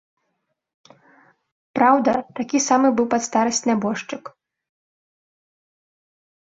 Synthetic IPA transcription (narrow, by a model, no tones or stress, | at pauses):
pɾawd̪ɐt̪akʲisamɨbɨwpat̪st̪aɾɐsʲt͡sʲnʲabɔʂt͡ʂɨk